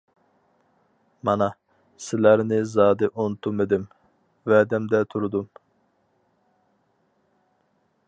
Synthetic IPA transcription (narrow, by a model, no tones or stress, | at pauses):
mɑnɑ | sɪlæɾnɪzɑːd̪ɪʔont̪ʰumed̪ɪm | vɛd̪ɛmd̪ɛt̪ʰuɾud̪um